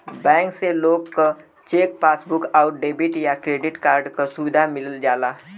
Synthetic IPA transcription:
bɛ̃ːŋkseloːɡko | t͡ʃeːk̚paːsbʊkaʊɾɖeːbɪʈjakɾeːɖɪʈkaːɾɖkasʊʋɪd̪ʱamɪləld͡ʒaːlaː

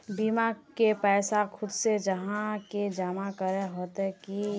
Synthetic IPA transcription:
bimakepɛːsakʰʊd̪sed͡ʒəɦãked͡ʒaːmakəɾeɦoːt̪ɦki

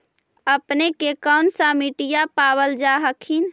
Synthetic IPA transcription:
əpnekekəʊnsamiʈijapaːbəld͡ʒaɦəkʰin

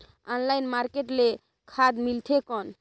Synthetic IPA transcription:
ɔnlajnmaɾkeʈle | kʰad̪milt̪ʰekɔn

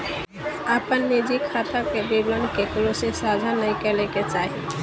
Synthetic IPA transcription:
apənːid͡ʒikʰat̪akebiɡlənkeklosesad͡ʒʱanəĩkəleket͡ʃaːɦi

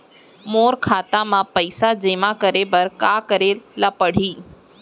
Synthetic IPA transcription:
moːɾkʰaːt̪amãpəɪsad͡ʒemãkəɾebəɾkakəɾelapəɽ̤iː

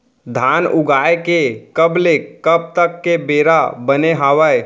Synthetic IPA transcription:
d̪ʱaːnʊɡaːekekəblekəb̚t̪əkːebeːɾabəneɦaːwəj

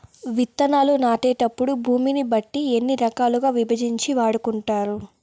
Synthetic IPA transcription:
ʋit̪ːɐnaːlunaːʈɛːʈɐpːuɽubʱuːminibɐʈːienːiɾɐkaːluɡaːʋibɐd͡ʒiɲt͡ʃiʋaːɽukuɳʈaːɾu

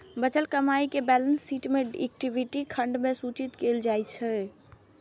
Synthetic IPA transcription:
bət͡ʃəlkəmaikebɛlənsːiːʈmẽɛ̰k̚ʈibiʈikʰəɳɖmẽsut͡ʃit̪keld͡ʒajt͡ʃʰɛ

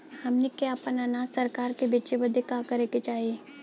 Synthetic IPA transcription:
hɐmnikeapənɐnaːsɐɾkaːɾkebit͡ʃebəd̪ʱekakɐɾeket͡ʃaːɦie

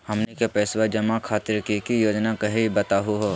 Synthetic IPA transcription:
hɐmnekepɛːswad͡ʒɐmakʰaːt̪ɪɾkikijoːd͡ʒnakɐɦibɐt̪aːɦuɦoː

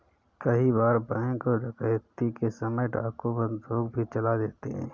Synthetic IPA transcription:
kɐɦibaːɾbə̃ŋkɔɾəkəjt̪ːikesɐməjɖʱa̰ːkobə̃nd̪ʱoːɡ̚bʱit͡ʃɐlad̪eːt̪eɦɛ̰̃ː

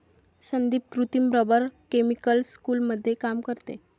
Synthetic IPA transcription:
sənd̪iːp̚kɾut̪impɾəbəɾkemikəlskuːlməd̪ʱːjekamkəɾt̪ḛ

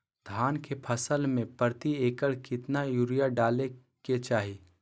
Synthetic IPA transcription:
d̪ʱaːnkepʰəsəlmẽpəɾt̪ieːkəɭkɪt̪najuːɾijaɖaːle | ket͡ʃaːɦi

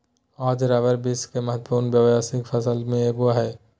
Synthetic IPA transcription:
aːd͡ʒɾaːʋəɾbɪskemɐɦət̪ːpuːɾnbjəwjaːsɪkfʰɐsəlmẽeːɡuaɦɛː

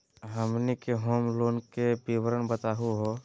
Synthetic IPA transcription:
ɦəmnikeɦoːmloːnkebiwəɾənbət̪aːɦuɦo

